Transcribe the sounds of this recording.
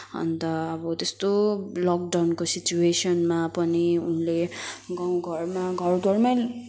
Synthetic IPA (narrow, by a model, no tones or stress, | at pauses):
ʌ̰nt̪ʌːbʌt̪est̪olɔk̚ɖawnkosit͡ɕuesʌnmapʌniunleɡʌw̃ɡʱʌrmaɡʱʌrɡʱʌrmaj